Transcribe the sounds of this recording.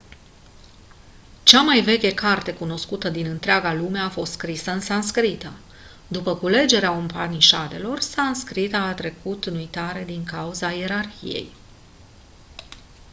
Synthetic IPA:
t͡ʃamajve̞kʲekart̪e̞kuno̞skut̪əd̪inɨnt̪ɾeaɡalume̞afo̞st̪skɾisəɨnsanskɾit̪ə | d̪upəkule̞d͡ʒe̞ɾeaumpaniʃad̪e̞lo̞rsanskɾit̪aːt̪ɾe̞kut̪nujt̪aɾe̞d̪iŋkauzajeɾarçḭje̞̰j

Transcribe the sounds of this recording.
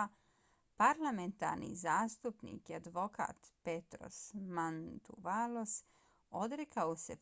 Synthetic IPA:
paɾlame̞nt̪a̰ɾnḭzaːst̪upnḭːkiad̪ʋo̞ka̰ːt̪pet̪ɾo̞̰smant̪uʋalo̞s | od̪ɾekʰaose̞

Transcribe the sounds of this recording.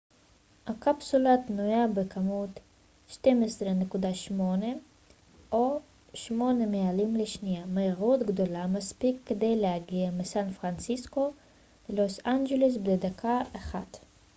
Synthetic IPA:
hakapsulat̪nujabekʰamut̪ | ʃtemesʁene̞kud̪aʃmo̞ne | ʔo | ʃmo̞ne̞mealimleʃnijameiʁut̪ɡd̪o̞lamaspikːed̪e̞jlehaɡiamesanfʁant͡sisko̞ | lelosand͡ʒeles̬bded̪akʰaaχat̪

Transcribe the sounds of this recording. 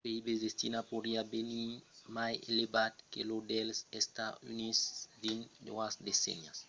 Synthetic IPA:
peibezd̪est̪inapoɾiabenimajelebat̪kelod̪ɛlsest̪aynisd̪ind̪oasd̪esḛɲas

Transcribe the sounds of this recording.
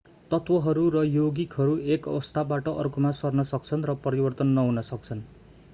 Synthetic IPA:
t̪ʌt̪wʌɦʌɾurʌjoɡikɦʌɾuekʌ̰wʌst̪ʰabaʈʌʔʌ̰rkomasʌrnʌsʌk̚t͡sʰʌnrʌpʌɾibʌrt̪ʌnːʌɦunʌsʌk̚t͡sʰʌn

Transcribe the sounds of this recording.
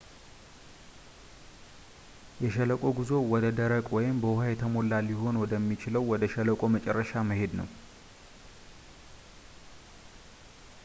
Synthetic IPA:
jɛʃɛləkʼo̞ɡizo̞wɔd̪əd̪əɾəkʼwɔjɪmbəwhajɛt̪ʰəmo̞lːaljɪɦo̞nwɔd̪əmːit͡ʃɪləwːɔd̪əʃɛləkʼo̞mət͡ʃʼɛrːəʃaməɦe̞d̪nə̰w

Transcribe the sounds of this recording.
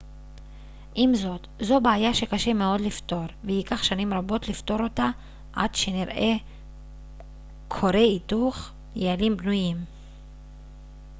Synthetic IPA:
ʔimzo̞t̪zo̞beajaʃe̞kaʃe̞me̞o̞dlifto̞ɾvehikaχʃanimʁabo̞tlift̪o̞ɾo̞ta | ʔa̰d̪ʃe̞niʁʔe̞ | kʰo̞ɾeituχ | jealimbnujim

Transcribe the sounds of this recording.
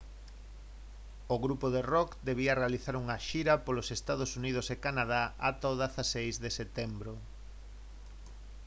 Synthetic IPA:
oɣɾupoðerɔkd̪eβ̞iɐrealiθaɾuŋɐʃiɾɐpolosest̪að̞osunið̞ʊsekanað̞aʔat̪oðasasejzðeset̪embɾo

